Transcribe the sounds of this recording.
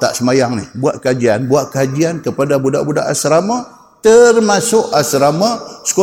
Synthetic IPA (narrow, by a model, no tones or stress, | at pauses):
t̪a̰ʔsəmajaŋnɪhbuaʔkəad͡ʒianbuaʔkəad͡ʒiankəpadabuda̰ʔbudaʔasɾama | t̪ərmasʊʔasɾamasə̥ko